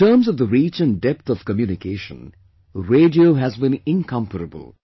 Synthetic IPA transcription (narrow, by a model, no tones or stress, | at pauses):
təːmzɔvðəɾiːt͡ʃɨ̃nɖɛp̚t̪ɔv̥kəmjuːnɪkʰeːʃə̰̃n | ɾeːɖioɦæzbĩnɪ̃nkʰʌ̃mpəɾəbə̰lˠ